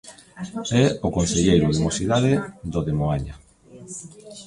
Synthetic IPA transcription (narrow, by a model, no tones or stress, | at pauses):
ɛokonseʎejɾʊðemosiðaðɪðoðemoaɲa